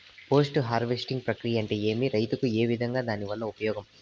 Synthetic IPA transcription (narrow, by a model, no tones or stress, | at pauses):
poːs̬ʈɦaːɾʋesʈiŋɡ̚pɾɐkɾijɐɐɳʈe̞ːe̞ːmiɾɐjt̪ukue̞ːʋid̪ʱɐŋɡaːd̪aːniʋɐlːɐupɐjɔːɡɐm